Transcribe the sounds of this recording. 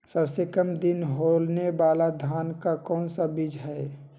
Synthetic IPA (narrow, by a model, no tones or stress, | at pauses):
səbsekəmd̪ɪnɦoːlneʋaːlad̪ʱaːnkakɔ̃ːnsabɪd͡ʒɦɛ